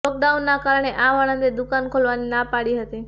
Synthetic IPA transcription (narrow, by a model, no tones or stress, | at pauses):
ɔk̚ɖaunːakaɾəɳ̃eʔaʋəɽ̃ə̃nd̪ed̪ʊkankʰolʋaninapaɽiɦət̪i